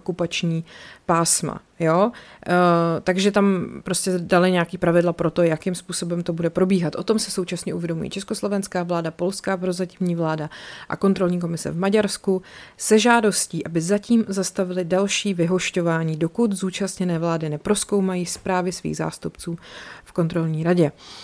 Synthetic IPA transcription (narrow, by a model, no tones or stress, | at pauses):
okupat͡ʃɲiːpaːsma̰ | joː | t̪aɡʒɛt̪ampɾo̞scɛdalɪɲɛakiːpɾavɪdlapɾo̞t̪o̞jakɪmspuːso̞bɛmt̪o̞budɛpɾo̞biːɦat̪ʔo̞t̪o̞msɪso̞wt͡ʃasɲɛʔuvjɛdo̞mṵjḭːt͡ʃɛsko̞slo̞vɛnskaːvlaːdapo̞lskaːpɾo̞zacɪmɲiːvlaːdaʔa̰ko̞nt̪ɾo̞lɲiːk̬o̞mɪsɛ̰vmaɟaɾskusɛʒaːdo̞sciːʔabɪzaciːmzast̪avɪlɪdalʃiːvɪɦo̞ʃco̞vaːɲiːdokut̪zuːt͡ʃast̪ɲɛnɛːvlaːdɪnɛpɾo̞sko̞wmajiːspɾaːvɪsvḭːɣza̰ːst̪upt͡suːfko̞nt̪ɾo̞lɲiːɾaɟɛ